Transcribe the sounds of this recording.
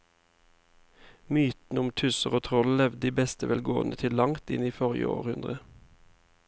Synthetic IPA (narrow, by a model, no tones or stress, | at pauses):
myːt̪n̩ʊmt̪ʰʉsəʁoːt̪ʰʁɔllɛʋd̪d̪iːbɛst̪əʋɛːlɡo̰ːənət̪ʰɪllɑŋt̪ɪ̰niːfɔʁɪə̰o̰ːʁhʉnd̪ʁə